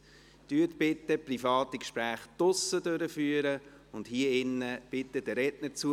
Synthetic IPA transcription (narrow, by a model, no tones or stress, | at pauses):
tyətbɪtːəprifɑːt̪ikʃpɾæːχd̥ʊsədøɾəfyːəɾə | ʊndhiəɪnːəb̥ɪtːədəɾɛdnəɾt͡su